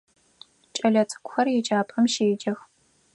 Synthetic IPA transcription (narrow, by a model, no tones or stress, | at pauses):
t͡ʃʼɐɮɐt͡sʼɨ̥kʷʼʊxɐrjɛd͡ʒaːpʼɐmʃeːd͡ʒɐx